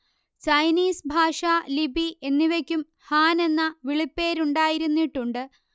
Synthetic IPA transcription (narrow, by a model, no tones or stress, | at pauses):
t͡ɕɐjniːsbʱaːʂɐlibʱiʔenːiʋekʲːum | haːne̞nːɐʋiɭipːeːɾuɳɖaːjiɾunːiʈːuɳɖɨ